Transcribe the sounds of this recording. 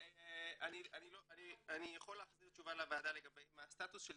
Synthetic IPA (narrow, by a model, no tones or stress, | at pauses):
eanianiloanianijaχo̞leːχziʁt͡ʃuvalavaːd̪aleɡabejmeast̪at̪usʃel